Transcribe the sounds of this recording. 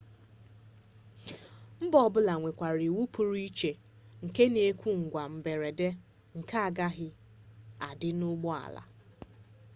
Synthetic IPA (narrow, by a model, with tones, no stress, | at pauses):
m̩˦bɔ˨bʊ˦la˨ŋʷe˨kʷa˨ɾi˨wu˦pu˨ɾi˦t͡ʃe˨ | ŋ̩˨ke˦ne˨˦kʷu˦ŋ̩˨ɡʷa˨m̩˨be˨ɾe˨de˦ | ŋ̩˨ka˦a˦˨ɡa˦ɦɪ˦ | a̰˨dɪ˦nʊ˦ɡ͡bɔ˦a̰˨la̰˨